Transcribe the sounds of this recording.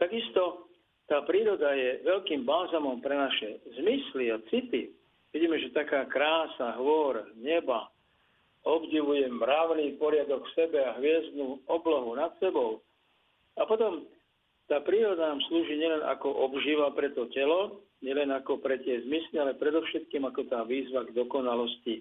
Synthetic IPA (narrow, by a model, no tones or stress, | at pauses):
t̪aɡist̪ɔ | t̪aːpɾiːɾɔd̪ajɛʋɛʎkiːmbalzamɔmpɾɛnaʃɛzmisliat͡sit̪i | ʋiɟiːmɛʒɛt̪akaːkɾaːsaɦʋɔɾɲɛba | ɔbɟiʋujɛmːɾaʊniːpɔɾɪad̪ɔkfsɛbɛaɦʋɪɛzd̪̚nuːɔblɔɦunat̪sɛbɔʊ | apɔt̪ɔm | t̪aːpɾiːɾɔd̪anaːmsluːʒiːɲɪɛlɛnʔa̰kɔʔɔbʒiːʋapɾɛt̪ɔcɛlɔ | ɲɛlɛnakɔpɾɛt̪ɪɛzmislialɛpɾɛd̪ɔʊʃɛt̪kiːmakɔt̪aːʋiːzʋaɡd̪ɔkɔnalɔsci